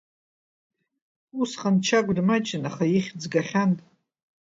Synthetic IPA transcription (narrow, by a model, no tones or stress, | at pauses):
usχant͡ʃʰaɡʷdmat͡ʃʼɪnaχajiχʲd͡zɡaχʲantʼ